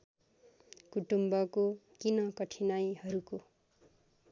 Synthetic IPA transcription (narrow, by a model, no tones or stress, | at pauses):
kuʈumbʌkokinʌkʌʈʰinajhʌɾuko